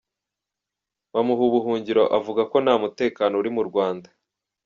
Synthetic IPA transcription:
wamuɦuβuɦuːɲɟiɾo̞̰ʔavuɡako̞namute̞ːkaːnouɾimuɾɡwaːnda

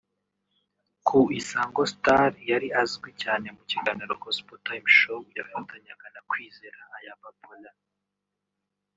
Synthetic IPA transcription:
kʰuisaːŋɡostaɾjaɾiazɡwicaːne̞muciɡaniɾo̰kospotaimʃojaβanutʰaɲaɡanakwiːzeɾaːjapapula

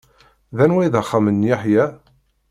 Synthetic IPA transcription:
ðænwæjðəχːamənːjaħjæ

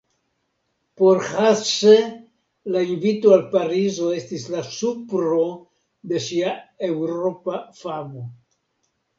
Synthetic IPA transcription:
po̞ɾhase | lainvitoalpaɾizo̞e̞stislasupɾo̞ | de̞ʃiae̞wɾo̞pafamo

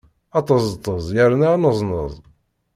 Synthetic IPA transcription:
ɑt̪ˤɑzˤt̪ˤːəzˤjəɾnanəzˤnə̰ðˤ

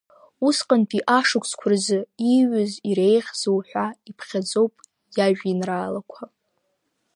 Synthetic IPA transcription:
usqʼanpʰʼiʔaʂɨkʷʰʼsʰkʷʰʊrzɨiɥʊziɾe̞jχʲz̥ɨwħʷᶣaipʰχʲad͡zo̞wpʼ | jaʒᶣinraːlakʷʰa

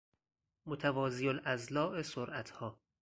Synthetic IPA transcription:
mot̪ʰævɒːzijolʔæzlɒːʔesoɾʔæt̪ʰhɒː

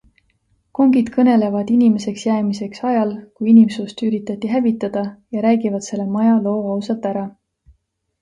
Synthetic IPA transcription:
ko̞ŋɡid̪̥kʰɤne̞le̞vɑd̪̥inime̞se̞ksjæːmise̞ksɑjɑlkujinimsust̪yɾit̪ːˑɑt̪ːˑiɦævit̪ːˑɑd̪̥ɑjɑɾæːɡivɑd̪se̞lːe̞mɑjɑlo̞ːɑwsɑt̪ːæɾɑ

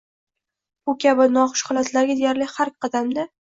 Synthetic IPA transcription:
ʊkʲʰabɪnɒχʊ̥ʃχʊlˠat̪laɡʲɪd̪ejaɾlɪhaɾkʲqʰɑd̪amd̪a

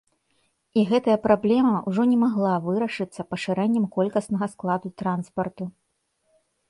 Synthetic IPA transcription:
iɣɛt̪ɐjɐpɾablʲɛmɐwʐɔnʲɛmaɣlˠavɨɾɐʂɨt̪sːɐpɐʂɨɾɛnʲːɛmkɔlʲkɐsnɐɣɐsklˠad̪ut̪ɾanspɐrt̪u

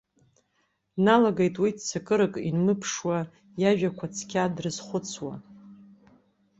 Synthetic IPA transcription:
nalaɡejtʼwidt͡sʰakʼɨɾɨkʼḭnmɨpʰʂwa | jaʒᶣakʷʰat͡sʰkʲʰadrɨzχʷʊt͡sʰwa̰

